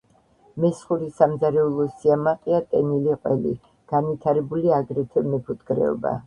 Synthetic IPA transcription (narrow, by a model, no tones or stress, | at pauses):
mɛsχuɾisamd̪zaɾɛulˠɔsiamaqʼiat̪ʼɛniliqʼwɛlḭ | ɡ̥anvit̪ʰaɾɛbuliaɡɾɛt̪ʰɛmɛpʰut̪ʰkʼɾɛ̰ɔ̰ba̰